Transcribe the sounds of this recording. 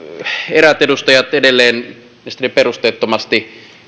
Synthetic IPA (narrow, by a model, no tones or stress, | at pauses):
eræt̪edust̪ɑjɑt̪edelːˑeːn | esi̥t̪ːeperust̪eːt̪ːomɑst̪i